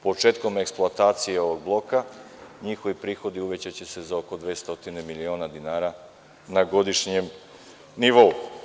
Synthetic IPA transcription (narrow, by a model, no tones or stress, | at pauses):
po̞t͡ʃe̞ːt̪ko̞me̞ksplˠuat̪aːt̪sijeo̞ʋo̞ɡ̚blˠo̞ka | ɲixo̞ʋipɾiːxo̞d̪iuʋe̞t͡ɕat͡ɕe̞se̞zaoko̞d̪ʋeːst̪o̞t̪inemilio̞ːnad̪inaːɾa | naɡo̞d̪iʃɲe̞m | niʋo̞u